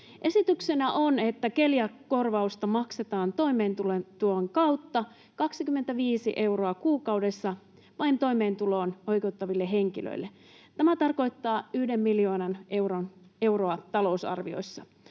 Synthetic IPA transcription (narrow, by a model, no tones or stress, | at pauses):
ʔe̞sit̪ykse̞næʔone̞t̪ːæke̞ljækkːo̞rʋɑust̪ɑmɑkse̞t̪ɑːnt̪o̞imeːnt̪ulet̪uloːŋkɑut̪ːɑ | kɑksikymːent̪æʋiːsḭʔe̞wro̞ɑkuːkɑwde̞sːɑ | ʋɑjnt̪ojme̞ːnt̪ulo̞ːno̞jke̞ut̪ːɑʋilːeɦe̞ŋkilø̰ilːe | t̪æmæt̪ɑrko̞jt̪ːɑːyhdemːiljo̞ːnɑnewrone̞wroɑt̪ɑlo̞usɑ̰rʋio̞̰isːɑ